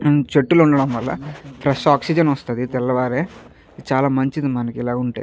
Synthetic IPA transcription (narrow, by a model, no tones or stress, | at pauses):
t͡ʃe̞ʈːuluɳɖɐɽɐmʋɐlːɐ̰pʰɾɛʂaːksid͡ʒɐnɐst̪ɐd̪it̪ɛlːɐʋaːɾeː | t͡ʃaːlaːmɐɲt͡ʃid̪imɐnɐkɛlaːɡuɳʈḛː